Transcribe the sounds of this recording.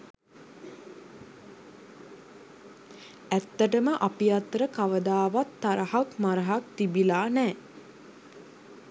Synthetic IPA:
æt̪ːəʈəməʔapijat̪ɾəkaʋəd̪aːʋat̪ːaɾəhakmaɾəɦak̚t̪ibilaːnɛː

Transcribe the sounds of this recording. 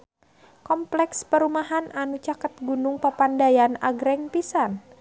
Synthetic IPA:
kɔmplɛkspəɾumaɦananut͡ʃakət̪̚ɡunuŋpapandajanaɡɾɛŋpisan

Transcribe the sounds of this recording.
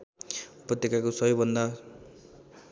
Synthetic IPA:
upʌt̪ːekakosʌbʌjbʌnd̪a

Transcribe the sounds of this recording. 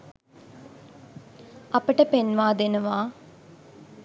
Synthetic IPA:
ɐpəʈəpenʋaːd̪enuʋaː

